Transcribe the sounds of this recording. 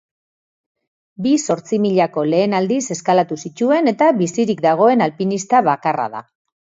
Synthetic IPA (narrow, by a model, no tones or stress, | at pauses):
biso̞ɾt͡simiʎako̞le̞ːnald̪ise̞skalat̪usit͡ʃue̞ne̞t̪aβisiɾikd̪aɣ̞o̞e̞nalpinist̪aβakara̰ða̰